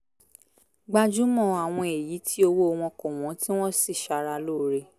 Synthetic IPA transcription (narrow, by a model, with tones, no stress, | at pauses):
ɡ͡ba˧d͡ʒu˦mɔ̃˦˨˧a˨w̃ɔ̃˧e˨ji˨˦tʰi˦o˧wo˦o˧w̃ɔ̃˧kɔ̃˨w̃ɔ̃˨˦ti˦w̃ɔ̃˦si˦˨ʃa˧ɾa˧lo˦˨˦ɾe˧